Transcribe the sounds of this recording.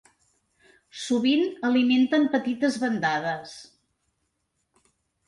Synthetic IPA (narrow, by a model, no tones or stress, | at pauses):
suβinəliment̪əmpət̪it̪əzβənd̪að̞əs